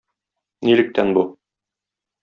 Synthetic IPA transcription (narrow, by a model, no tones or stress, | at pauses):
nilɘ̆k̚t̪ænbu